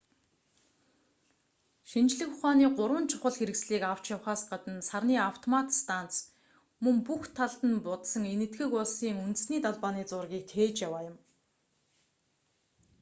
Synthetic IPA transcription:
ʃint͡ɕɮɘ̆xʊχaːniːɢʊɾwə̆nt͡ɕʰʊ̥χə̆ɮxeɾɘ̆ksɮiːkaw̥t͡ɕjawχaːsɢat̪ə̆nsarniːaw̥t̪ʰɔmat̪st̪ʰan̥t͡s | mɵŋpuxt̪ʰaɮt̪ə̆npʊt̪sə̆ŋenɘ̆t̪ɡɘ̆kʊɮsiːŋunt̪ɘ̆sniːt̪aɮpaːniːt͡sʊrɣʲiːk̚t̪ʰeːt͡ɕjawaːjʊ̆m

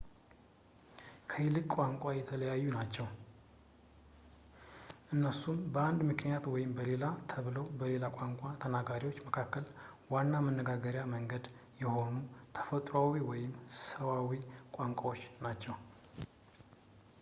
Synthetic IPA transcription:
kʰəɪlɨkʼwaŋkʷʼajɛt̪ʰələjajːunat͡ʃːɛw | ʔɨnːəsumbəand̪mɨknijat̪wɔjɪmbəle̞lat̪ʰəβɨlowbəle̞lakʼaŋkʷʼat̪ʰənaɡaɾiwo̞t͡ʃːməkʰakːəlwanːamənːəɡaɡəɾjaməŋɡəd̪ | jɛho̞nut̪ʰə̥fət̪ʼɾawiwɔjɪmsəβawikʼaŋkʷʼawo̞t͡ʃːnat͡ʃːɛw

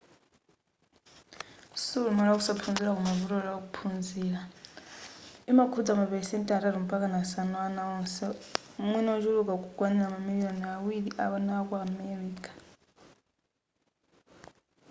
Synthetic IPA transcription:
sulumalakusapʰund͡ziɾakumavuɾɔɺakupʰunziːɺa | imakʰud͡zamapɛsɛntʼɛaɾaɾim̩pakanasanɔanaɔnsɛumwinɔɔt͡ʃuɺukakukwanilamamilijɔniawiɺiʔa̰βanaakuamɛɾiːkḁ

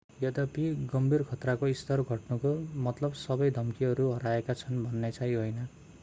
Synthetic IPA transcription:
jʌd̪ʌpiɡʌmbʱirkʰʌt̪rakoist̪ʌrɡʱʌʈnukomʌt̪lʌbsʌbʌjd̪ʱʌmkiɦʌɾuɦʌɾaekat͡sʰʌnbʱʌnːet͡saiɦojnʌ

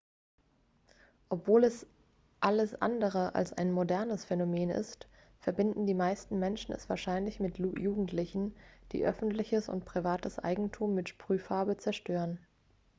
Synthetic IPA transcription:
ʔɔpv̥oːlɛs | ʔaləsʔa̰ndəʁ̞əʔa̰lsa̰ɪnmodɛɐnəsfɛnomeːnɪ̰st | fɛɐbɪndn̩diːmaɪstn̩mɛnʃn̩ɛ̰sv̥aːɐʃaɪnlɪçmɪtʰjuːɡŋ̩tlɪçn̩d̥ḭːʔœfn̩tlɪçəsʊ̰ntpʁ̥ivaːtəsʔa̰ɪɡŋ̩tʰuːmːɪtʃpʁ̥yːfaɐbət͡sɛɐʃtøːʁən

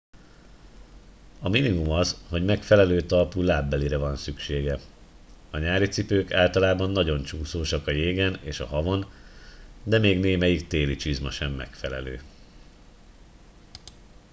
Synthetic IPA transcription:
ɒminimumɒzho̞ɟmɛkfɛlɛløːt̪ɒlpuːlaːbːɛliɾɛvɒnsykʃeːɡɛ | ɒɲaːɾit̪sipøːkaːlt̪ɒlaːbɒnːɒɟo̞nt͡ʃuːsoːʃɒkɒjeːɡɛneːʃɒ̰ɦɒvo̞n | d̪ɛmeːɡneːmɛjikt̪eːlit͡ʃizmɒʃɛmːɛ̰kfɛlɛ̰lø̰ː

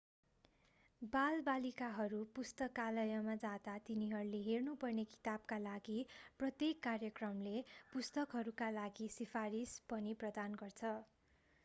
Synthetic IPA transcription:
balbalikaɦʌɾupust̪ʌkːalʌjʌmad͡zat̪at̪iniɦʌɾuleɦernupʌrneki̥t̪ab̚kalaɡiprʌt̪jekːarjʌkrʌmlepust̪ʌkɦʌɾukalaɡisipʰaɾispʌniprʌd̪anɡʌrt͡sʰʌ

